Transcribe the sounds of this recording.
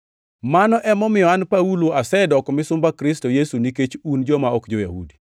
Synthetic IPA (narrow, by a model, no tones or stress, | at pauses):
manɔʔɛmɔmɪjɔanpauloasɛdɔkɔmɪsʊmbakɾɪstojesuniket͡ʃund͡ʒɔmaɔkd͡ʒɔjahudi